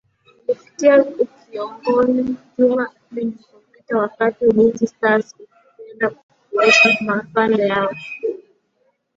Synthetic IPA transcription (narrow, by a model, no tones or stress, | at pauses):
lifi̥tiaukiɔŋɡɔzid͡ʒuma | iilɔmitawakatiniŋɡisasḁuliɛndaku | kuɾɛʃamafalɛjaɔ